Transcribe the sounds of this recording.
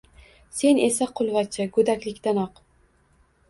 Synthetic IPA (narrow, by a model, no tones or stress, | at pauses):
se̞ne̞saqʰʊlˠvat͡ʃʰaɡɵd̪akʲlɪkʲt̪anɒq